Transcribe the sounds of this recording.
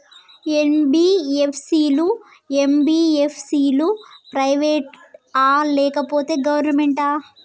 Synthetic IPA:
enbiːepʰsiːlu | embiːepʰsiːlupɾɐjʋeːʈaːlɛːkɐpoːt̪e̞ːɡɐʋɐɾnɐmeɳʈaː

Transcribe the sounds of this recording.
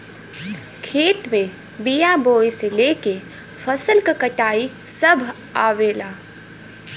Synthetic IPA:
kʰeːt̪mẽ | bijaboːjseleːke | fʰɐsəlkakɐʈaːi | sɐbʱ | aːʋeːlaː

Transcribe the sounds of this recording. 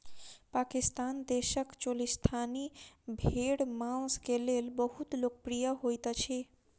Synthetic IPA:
pakist̪and̪eʃəkt͡ʃolist̪ʰanibʱeɽmãskelelbəɦut̪lok̚pɾijəɦojt̪ət͡ʃʰi

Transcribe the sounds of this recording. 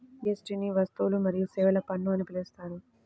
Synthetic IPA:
ɡesʈiniʋɐst̪ulumɐɾijusɛːʋɐlɐpɐɳːuɐnipilest̪aːɾu

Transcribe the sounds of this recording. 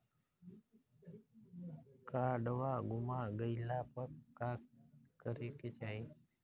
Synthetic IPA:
kaɖʋaɡʊmaɡəjlapəɾkakkːəɾeket͡ʃaj

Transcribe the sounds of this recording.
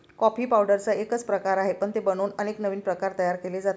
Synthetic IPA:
kɔpiːpawɖəɾt͡saekət͡spɾəkaɾaɦepəɳt̪ebəñoːnəneknəʋiːnpɾəkaɾt̪əjaɾkeled͡zat̪

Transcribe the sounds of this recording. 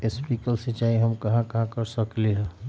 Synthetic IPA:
espikəlset͡ʃaiɦəmkɐɦãkɐɦãkəɾsəkleɦɛ

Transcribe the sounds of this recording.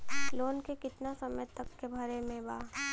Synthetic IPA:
loːnkekɪt̪nasɐməjt̪ɐkːebʱɐɾemẽbaː

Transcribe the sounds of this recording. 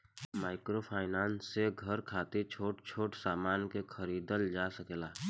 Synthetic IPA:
maːɪkɾopʰaːɪnaːnsːeɡʱəɾkʰaːt̪it͡ʃʰoːʈt͡ʃʰoːʈsaːmaːnkexʰəɾiːd̪əld͡ʒaːsəkelaː

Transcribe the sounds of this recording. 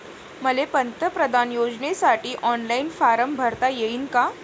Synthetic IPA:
məlepənt̪əpɾəd̪ʱanjod͡ʑnesaʈʰiːʔɔnlainfaɾəmbʱəɾt̪ajeinka

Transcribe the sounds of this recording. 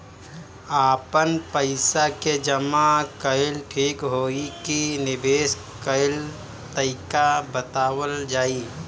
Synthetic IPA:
aːpənpəɪsaked͡ʒəmakəɪlʈʰiːkɦoːikinɪbeːs | kəɪl | t̪əɪkabət̪aːwəld͡ʒaːiː

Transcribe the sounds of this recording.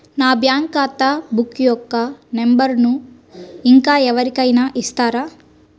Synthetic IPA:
naːbjaːŋkaːt̪abukːijɔkːɐnembɐɾnu | iŋkaːɛʋɐɾikɐjnɐʔist̪aːɾaː

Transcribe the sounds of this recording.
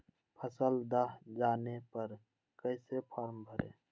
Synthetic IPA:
pʰəsəld̪aɦd͡ʒaːnepəɾ | kəɪsepʰaːɾmbʱəɾḛ̃ː

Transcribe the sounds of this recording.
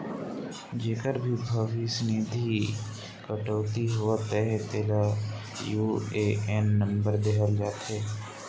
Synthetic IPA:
d͡ʒeːkəɾbʱibʱəʋisənid̪ʱi | kəʈoːt̪iɦoat̪ɛɦt̪eːla | juːeʔɛnːə̃mbəɾd̪eːɦəld͡ʒaːt̪ɦɛː

